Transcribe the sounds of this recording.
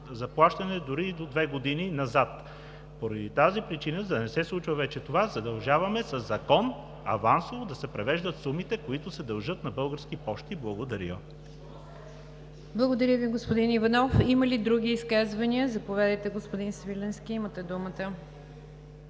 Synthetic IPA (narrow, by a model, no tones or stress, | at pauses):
zɐplˠaʃt̪ɐnɛd̪ʊɾid̪od̪vɛɡod̪ininɐzat̪ | poɾɐd̪it̪azipɾit͡ʃinəd̪ɐnɛsɛslˠut͡ʃvɐvɛt͡ʃɛt̪ovazɐd̪ɐlˠʒavɐmɛsɐzːɐkɔn | ɐ̰vansovod̪ɐsɛpɾɛvɛʒd̪ət̪sumit̪ɛkoit̪ʊsɛd̪ɐlˠʒɤt̪nɐbɤlˠɡəɾskipɔʃt̪iblˠɐɡod̪ɐɾi | blˠɐɡod̪ɐɾʲəviɡospod̪inivɐnɔfiməlid̪ɾuɡ̟ʲiːskazvɐniəzɐpovɛd̪əjt̪ɛɡospod̪insvilɛnskʲiimət̪ɛd̪umət̪ə